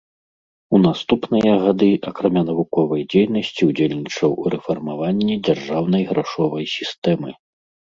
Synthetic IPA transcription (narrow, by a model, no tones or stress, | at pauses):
un̪ast̪upnɨjɐɣad̪ɨʔakɾamʲanɐvukɔvɐjd͡zʲejn̪ɐsʲt͡sʲiud͡zʲelʲnʲit͡ʂɐwɾɛfɔrmavanʲːid͡zʲarʐawn̪ɐjɣɾaʂɔvɐjsʲist̪ɛmɨ